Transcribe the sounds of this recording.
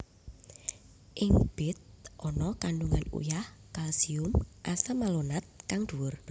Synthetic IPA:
ʔɪŋb̥ɪt̪̚ʔɔnɔkaɳɖuŋanṵjahkalsiʊmʔasamalonat̪̚kaŋɖ̪̥uwʊr

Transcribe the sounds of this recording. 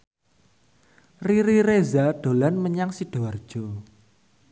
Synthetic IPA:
riɾiɾezaɖ̥o̤lanməɲaŋsiɖ̥oard̥ʒ̥o̤

